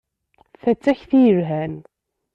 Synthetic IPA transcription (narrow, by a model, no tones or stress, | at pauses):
θæt͡sːæçθijəɾɦæn